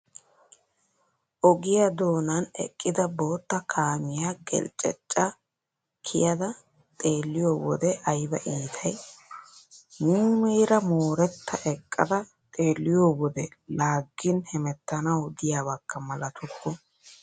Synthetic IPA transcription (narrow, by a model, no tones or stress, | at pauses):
ʔɔɡɪjɐd̪o̞ːnɐnɛ̰kʼːɪd̪ɐbo̞ːt̪ːɐkʰaːmɪjaɡɛ̰lt͡ʃʼːɛ̰t͡ʃʼːɐ | kʰɪ̰jɐd̪ɐ | t̪ʼe̞ːlːɪjoːwɔd̪ɛʔɐjbɐʔiːt̪ʰɐj | muːmɛjɾɐmoːɾɛt̪ːɐʔɛkʼːɐ̰d̪ɐ | t̪ʼe̞ːlːɪjoːwɔd̪ɛlaːɡːɪnhɛmɛt̪ːɐnɐwd̪ɪjaːβɐkːɐmɐlɐt̪ʰʊkːɔ